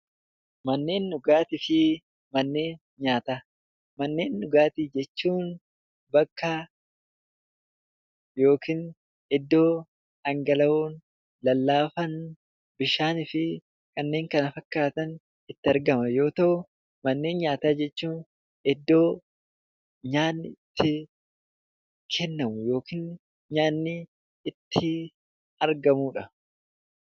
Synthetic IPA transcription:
mɐnːe̞ːnːʊɡaːt̪ɪfɪ | mɐnːe̞ːn | ɲaːt̪aː | mɐnːe̞ːnːʊɡaːt̪ɪd͡ʒɛt͡ʃːuːn | bɐkːa | jo̞ːkʰiːn | ɛd̪ːo̞ː | ɐŋɡɐlɐoːn | lɐlːaːfɐn | bɪʃaːnɪfɪ | kʼɐnːe̞ːŋkɐnɐfɐkːaːt̪ɐn | ɪt̪ːɪɐɾɡɐmɐjo̞ːt̪ɐʔʊ | mɐnːe̞ːnɲaːt̪aːd͡ʒɛt͡ʃːuːn | ɛd̪ːo̞ː | ɲaːnːɪt̪ʰːɪ | kʰɛnːɐmʊjo̞ːkɪːn | ɲaːnːɪː | t̪ʰːɪ | ɐɾɡɐmuːᶑɐ

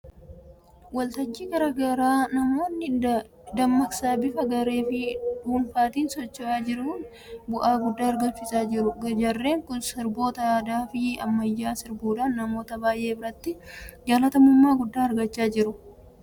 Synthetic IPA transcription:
wɐlt̪ɐt͡ʃːiːɡɐɾɐɡɐɾaːnɐmo̞ːnːɪ | d̪ɐmːɐksaːbɪfɐɡɐɾe̞ːfɪduːnfaːt̪iːnsɔt͡ʃːɔʔaːd͡ʒɪɾʊn | bʊʔaːɡʊd̪ːaːɐɾɡɐnfɪsaːd͡ʒɪɾʊɡɐd͡ʒɐrːe̞ːŋkʊnsɪɾbo̞ːt̪ɐjaːd̪aːfɪɐ̰mːɐjːaːsɪɾbuːd̪aːnːɐmo̞ːt̪ɐbaːjʔe̞ːbɪɾɐt̪ːɪd͡ʒaːlɐt̪ɐmʊmːaːɡʊd̪ːaːɐɾɡɐt͡ʃːaːd͡ʒɪɾʊ

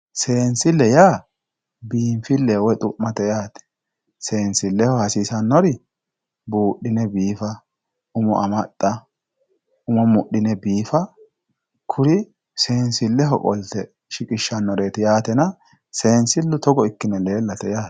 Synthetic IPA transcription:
se̞ːnsɪlːɛjaː | biːmfɪlːewɛt̪ʼʊʔmːɐt̪ɛjaːt̪ɛ̥ | se̞ːnsɪlːɛhɔhɐsiːsɐnːɔɾɪ | buːɗɪnɛbiːfɐ | ʊmɔ̰ʔɐmɐt̪ʼːɐ | ʊmɔmʊɗɪnɛbiːfɐ | kʰʊɾɪ | se̞ːnsɪlːɛɦɔkʼɔ̰lt̪ɛ | ʃɪkʼɪʃːɐnːɔɾe̞ːt̪ɪjaːt̪ɛnɐ | se̞ːnsɪlːʊt̪ɔɡɔɪkːɪnɛle̞ːlːɐt̪ɛjaː

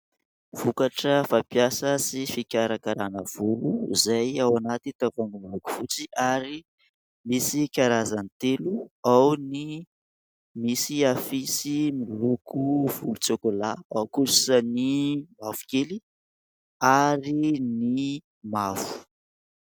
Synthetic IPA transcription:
v̥ukaʈ͡ʂəfapjasəsifikʲaɾakaɾanəv̥uluizajawanat̪it̪avanumiluku̥fut͡siʔaɾi | misikaɾazant̪eluawni | misiafisimilukʰuv̥ulut͡sekolaawkusanimavu̥keli | aɾini | mafu̥

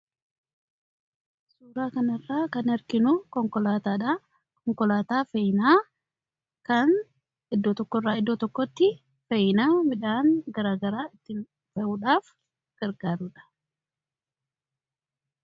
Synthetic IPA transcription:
suːɾaːkɐnɐrːaːkɐnɐɾkɪnʊkɔŋkɔlaːt̪aːᶑa | kɔŋkɔlaːt̪aːfɐjnaː | kɐn | ɪd̪ːɔːt̪ɔkːɔrːaːɪd̪ːɔːt̪ɔkːɔt̪ːɪ | fɛjɪnaːmɪᶑaːŋɡɐɾaːɡɐɾaːɪt̪ːɪn | fɛʔuːᶑaːf | ɡ̥ɐɾɡaːɾuᶑɐ̥

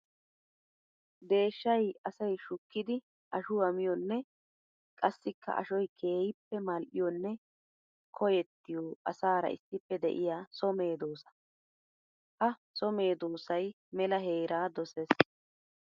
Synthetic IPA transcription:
d̪e̞ːʃːɐjɐsɐjʃʊkːɪd̪ɪ | ʔɐʃʊɐmɪjɔnːɛ | kʼɐsːɪkːɐ̰ʔɐ̰ʃɔjkʰe̞ːjɪpːɛmɐlʔɪjɔnːɛ | kʰɔjɛt̪ːɪjoːʔɐ̰saːɾɐ̰ʔɪ̰sːɪpːɛd̪ɛ̰ʔɪjaːsɔme̞ːd̪oːsɐ̥ | hɐsɔme̞ːd̪oːsɐj | mɛlɐɦe̞ːɾaːd̪ɔses

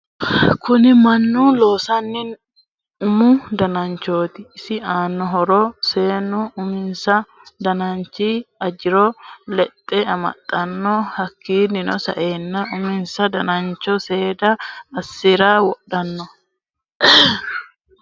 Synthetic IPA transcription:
kʊnɪmɐnːuːlo̞ːsɐnːɪn | ʊmʊd̪ɐnɐnt͡ʃoːt̪ɪːsɪaːnːɔɦɔɾɔse̞ːnʊʊmɪnsɐ | d̪ɐnɐnt͡ʃiːɐd͡ʒɪɾɔlɛt̪ʼːɛɐmɐ̰t̪ʼːɐnːɔhɐkːiːnːɪnɔ̰sɐ̰ʔeːnːɐʔʊmɪnsɐd̪ɐnɐnt͡ʃːɔse̞ːd̪ɐːsːɪɾaːwɔɗɐnːɔ

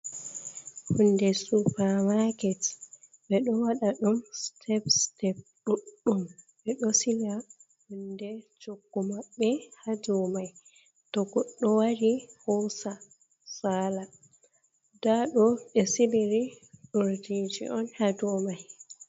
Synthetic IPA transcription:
hundɛsupaɾmakɛt | ɓɛɗɔwaɗaɗumstʰɛpstɛp̚ɗuɗːum | ɓɛɗɔsila | hundɛt͡ʃoɡːumaɓːɛhad͡ʒɔmaj | tɔɡɔɗːɔwaɾihɔsa | saːla | daɗɔɓɛsiliɾiɗuɾdid͡ʒḭʔɔnhad͡ʒɔmaj

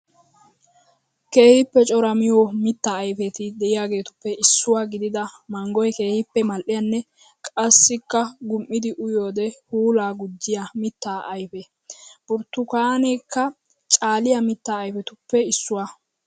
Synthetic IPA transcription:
ke̞ːhɪpːɛt͡ʃʼɔɾɐmɪjoːmɪt̪ːaːjfɛt̪ɪd̪ɛʔɪjaːɡe̞ːt̪ʊ̥pːɛʔɪsːʊwaːɡɪd̪ɪd̪ɐmɐŋɡɔjɛke̞ːhɪpːɛmɐlʔɪjɐnːɛ | kʼɐsːɪkːɐɡʊmʔːɪd̪ɪʔʊjo̞ːd̪ɛhuːlaːɡʊd͡ʒːɪjamɪt̪ːaːʔɐjfɛ | b̥ʊɾt̪ːʊkaːnejkːɐ | t͡ʃʼaːlɪjɐmɪt̪ːaːjfɛt̪ʊpːɛɪsːʊwa

